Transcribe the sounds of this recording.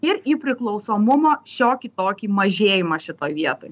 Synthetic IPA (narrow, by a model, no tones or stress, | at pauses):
ɪɾiːpʲɾʲɪklˠɒʊsoːmʊmoːʃʲoːkʲit̪oːkʲiːmɐʒʲeːjɪmɐʃʲɪt̪oːjʋʲiɛt̪oːj